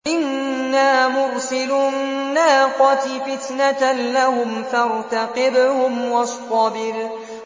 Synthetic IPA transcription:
ʔɪnːaːmʊɾsɪlʊːaːqɑt̪ifɪt̪nalahʊmfɑɾt̪aqɪbhʊmwɑst̪ˤɑbɪɾ

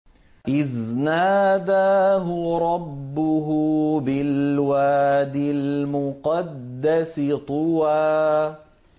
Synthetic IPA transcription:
ʔɪðnaːd̪aɦʊɾˤɑbːʊɦʊbɪlwaːd̪ɪlmʊqɑd̪ːasɪt̪ˤʊwaː

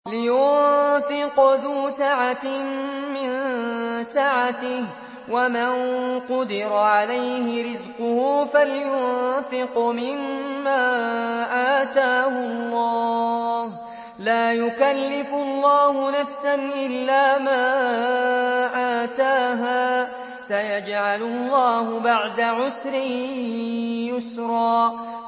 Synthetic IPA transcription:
lɪjʊnfɪqðuːsaʕa | mɪn | saʕat̪ɪh | wamanqʊd̪ɪɾaʕalajhɪɾɪzqʊhuːfaljʊnfɪqmɪmːaːʔaːt̪aːhʊlˤːɑːh | laːjʊkalːɪfʊlˤːɑːhʊnafsanʔɪlːaːmaː | ʔaːt̪aːɦaː | sajad͡ʒʕalʊlˤːɑːhʊbaʕd̪aʕʊsɾɪ | jʊsɾˤɑː

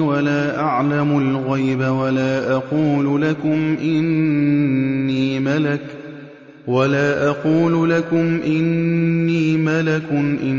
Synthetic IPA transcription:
walaːʔaʕlamʊlɣajbawalaːʔɑquːlʊlakʊmʔɪnnː | iːmalak | walaːʔɑquːlʊlakʊmʔɪnːiːmalakʊnʔɪ

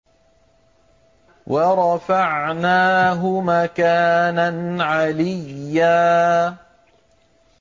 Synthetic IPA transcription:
wʔɑɾˤɑfaʕnaːɦʊmakaːnanʕalɪjːaː

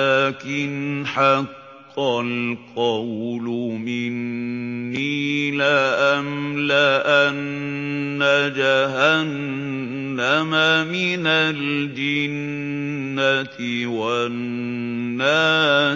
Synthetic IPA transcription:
aːkɪnħɑqː | ɑlqɑwlʊmɪnː | iːlaʔamlaʔanː | ad͡ʒaɦanː | amamɪnald͡ʒaɪnː | at̪ɪ | wanː | aː

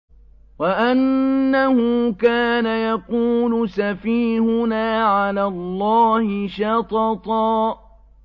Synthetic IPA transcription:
waʔanːahʊkaːnajɑquːlʊsafiːhʊnaːʕalaːlˤːɑːhɪʃɑt̪ˤɑt̪ˤɑː

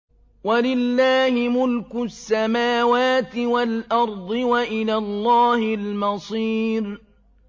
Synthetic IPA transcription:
walɪlːaːhɪmʊlkʊsːamaːwaːt̪ɪwalʔɑɾˤd̪ˤɨwaʔɪlaːlˤːɑːhɪlmɑsˤiːɾ

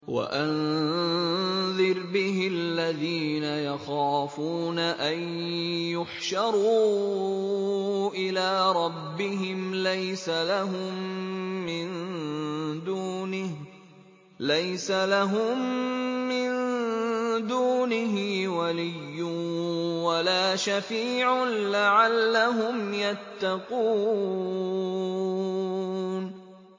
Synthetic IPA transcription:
wa̰ʔan | ðɪɾbɪɦɪalːaðiːnajaxɑːfuːnaʔajnjʊħʃɑɾˤuː | ʔɪlaːɾˤɑbːɪɦɪmlajsalaɦʊmː | ɪn | d̪uːnɪh | lajsalaɦʊmː | ɪn | d̪uːnɪɦɪwalɪjːʊ | walaːʃafiːʕanlaʕalːaɦʊmjat̪ːɑquː | n

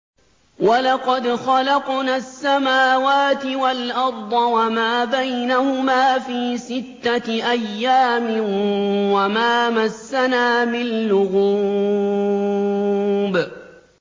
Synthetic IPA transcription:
walɑqɑd̪xɑlɑqnaːsːamaːwaːt̪ɪwalʔɑɾˤd̪ˤɑwamaːbajnahʊmaːfiːsɪt̪ːaʔajːaːmɪnwamaːmasːanaːmɪnlʊɣuː | b

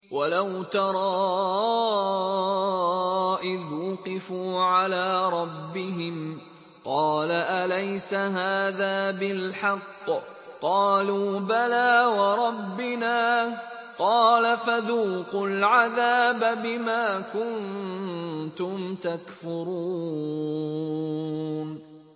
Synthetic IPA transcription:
wʔalawt̪ɑɾˤɑː | ʔɪðwʊqɪfuːʕalaːɾˤɑbːɪɦɪm | qɑːlaʔalajsaɦaːðaːbɪlħɑqː | qɑːluːbalaːwɑɾˤɑbːɪnaː | qɑːlafaðuːqʊlʕaðaːbabɪmaːkʊn | t̪ʊmt̪akfʊɾuː | n

